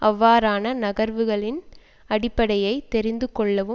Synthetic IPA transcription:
ʔɐʋːaːɾaːnɐnɐɣɐɾʋɯɣɐɭɪn | ɐɽɪpːɐɽɐjɐɪt̪ːɛɾɪnd̪ɯkːɔɭːɐʋɯ

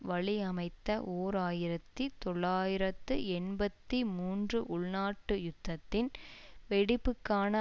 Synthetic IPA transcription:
ʋɐɭiɐmɐɪt̪ːɐʔoːɾaːjɪɾɐt̪ːit̪ɔɭːaːjɪɾɐt̪ːɯɛɳbɐt̪ːimuːndrɯʔʊɭnaːʈːɯjʊt̪ːɐt̪ːɪnʋɛɽɪpːɯkːaːnɐ

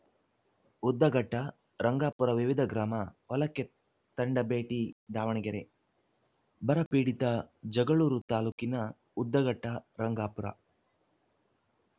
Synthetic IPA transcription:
ud̪ːɐɡɐʈːɐ | ɾɐŋɡaːpuɾɐʋiʋid̪ʱɐɡɾaːmɐɔlɐkːe | t̪ɐɳɖɐbeːʈid̪aːʋɐɳiɡɐɾḛ | bɐɾɐpiːɽit̪ɐd͡ʒɐɡɐɭuːɾut̪aːluːkinɐ | ud̪ːɐɡɐʈːɐɾɐŋɡaːpuɾɐ̰

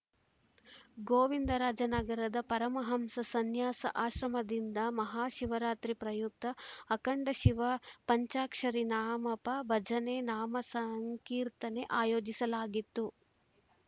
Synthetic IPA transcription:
ɡoːʋind̪ɐɾaːd͡ʒɐnɐɡɐɾɐd̪ɐpɐɾɐmɐɦɐmsɐsɐnjaːsɐ̰ʔaːʃɾɐmɐd̪ind̪ɐmɐɦaːʃiʋɐɾaːt̪ɾipɾɐjuk̚t̪ɐːkɐɳɖɐʃiʋɐpɐɲt͡ʃaːkʂɐɾinaːmɐpɐbɐd͡ʒɐnenaːmɐsɐŋkiːɾt̪ɐne̞ʔaːjoːd͡ʒisɐlaːɡit̪ːu

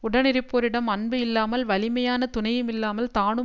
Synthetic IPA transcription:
ʊɽɐnɪɾɪpːoːɾɪɽɐmɐnbɯɪlːaːmɐlʋɐlɪmɐjaːnɐt̪ʊnɐjɯmɪlːaːmɐlt̪aːɳɯ

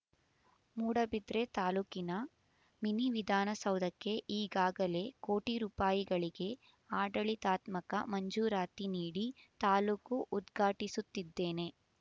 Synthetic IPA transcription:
muːɽɐbid̪ɾe̞t̪aːluːkinɐ | miniʋid̪ʱaːnɐsɐwd̪ɐkːe̞ʔiːɡaːɡɐle̞ko̞ːʈiɾuːpaːjiɡɐɭiɡe̞ | aːɖɐɭit̪aːt̪mɐkɐ̰mɐɲd͡ʒuːɾaːt̪iniːɽit̪aːluːkuʔːd̪ɡʱaːʈisut̪ːid̪ːe̞ːne̞

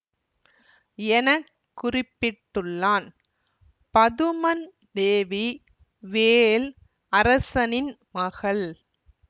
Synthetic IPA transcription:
ɛnɐkː | ʊrɪpːɪʈːɯɭːaːn | pɐðɯmɐn | d̪eːʋi | ʋeːl | ʔɐɾɐsɐnɪn | mɐɣɐɭ

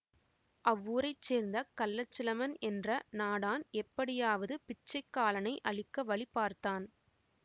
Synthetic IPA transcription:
ʔɐʋːuːɾɐɪt͡ʃːeːɾnd̪ɐkɐlːɐt͡ʃːɪlɐmɐnɛndrɐnaːɽaːnɛpːɐɽɪjaːʋɐðɯpɪt͡ʃːɐɪkːaːlɐnɐɪʔɐɭɪkːɐʋɐɭɪpːaːɾt̪aːn

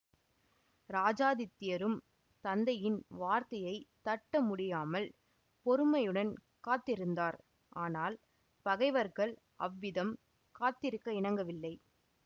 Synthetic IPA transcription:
ɾaːd͡ʒaːðɪt̪ːɪjɐɾɯm | t̪ɐnd̪ɐjɪnʋaːɾt̪ɐjɐɪt̪ɐʈːɐmʊɽɪjaːmɐl | pɔɾɯmɐjɯɽɐn | kaːt̪ːɪɾɯnd̪aːɾ | ʔaːnaːl | pɐɣɐɪʋɐɾɣɐɭ | ʔɐʋːɪðɐm | kaːt̪ːɪɾɯkːɐɪɳɐŋɡɐʋɪlːɐɪ

